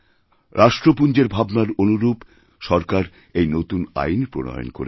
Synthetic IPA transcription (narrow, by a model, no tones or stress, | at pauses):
ɾʔaʃʈɾopund͡ʑeɾbʱabnaɾonuɾub | ʃɔɾkaɾ | ejnot̪una̰jnpɾonɔ̰jo̰nko̰ɾe